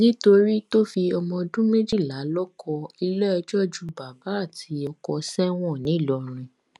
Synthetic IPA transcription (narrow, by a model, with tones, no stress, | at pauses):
nĩ˦to˧ɾi˦to˦fi˧ɔ˧mɔ̃˧dũ˦me˦d͡ʒi˦˨la˨˦lɔ˦kɔ˧i˧lɛ˦ɔ˧d͡ʒɔ˦d͡ʒu˦ba˨ba˨˦a˦˨tʰi˨˦ɔ˧kɔ˧sɛ˦w̃ɔ̃˦˨nĩ˨˦˨lɔ˨ɾ̃ĩ˧